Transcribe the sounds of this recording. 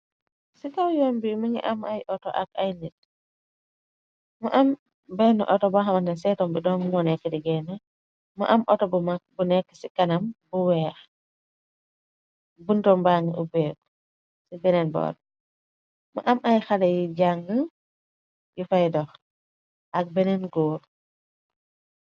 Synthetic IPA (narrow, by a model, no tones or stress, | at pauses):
sikawjɔːmbimuŋḭʔamajʔɔtɔ̰ʔa̰kajnit̚ | muʔam | bɛnṵʔɔtɔbaxamɐnɛns̬ɛtɔmbidɔŋmɔnɛkːədiɡɛna | mɐ̰ʔɐmʔɔtɔbumakbunɛkːə̥sikɐnɐmbuwɛːx | buntɔmbaŋəʔubɛːb | sibɛnɛnbɔ̰ːd | ma̰ʔamajxalɐjiɟaŋɡə | jufajdɔx | ʔɐk̚bɛnɛnɡoːɾ